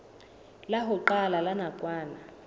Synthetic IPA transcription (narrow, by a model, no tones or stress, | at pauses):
laɦʊǃalalanakʼwaːna